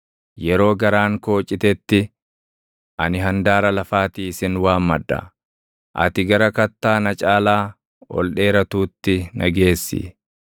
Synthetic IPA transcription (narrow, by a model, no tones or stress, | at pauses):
jɛɾo̞ːɡɐɾaːŋko̞ːt͡ʃʼːɪt̪ɛt̪ːɪ | ʔɐ̰nɪɦɐnd̪aːɾɐlɐfaːt̪iːɪsɪnwaːmːɐd̪ːɐ̰ | ʔɐ̰t̪ɪɡɐɾɐkɐt̪ːaːnɐt͡ʃʼaːlaː | ɔ̰lɗe̞ːɾɐt̪uːt̪ːɪnɐɡe̞ːsːɪ̰